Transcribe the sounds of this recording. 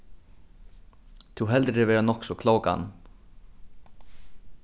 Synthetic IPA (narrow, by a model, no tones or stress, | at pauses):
t̪ʰuwɦɛlt̪ɾɛvɛːɾanɔksɔkʰlowka̰n